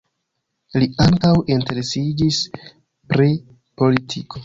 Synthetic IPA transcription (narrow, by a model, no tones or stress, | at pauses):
liaŋkawʔinte̞ɾe̞sid͡ʒis | pɾi | po̞litʰiko̞